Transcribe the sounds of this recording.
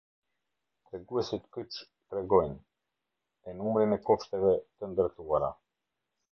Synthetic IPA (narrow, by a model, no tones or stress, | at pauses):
t̪ɾɛɡuɛsit̪kyt͡ʃ | t̪ɾɛɡɔjn | ɛnumɾinɛkɔʃt̪ɛvɛt̪ənd̪əɾt̪uaɾa̰